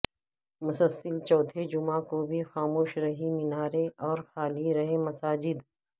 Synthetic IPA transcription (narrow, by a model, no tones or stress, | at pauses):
mʊsəsːəlt͡ʃɔːt̪ʰed͡ʒʊmãkobʱixaːmoːʃɾɐɦimɪnaːɾeɔːɾxaːliɾɐɦemɐsaːd͡ʒɪd̪